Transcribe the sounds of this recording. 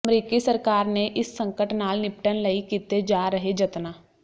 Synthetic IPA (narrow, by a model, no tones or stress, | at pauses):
mɾiːkisəɾkaːɾneʔɪsːə̃ŋkəʈnaːlnɪpʈənlɐikiːt̪ed͡ʒaːɾɐɦed͡ʒɐt̪naː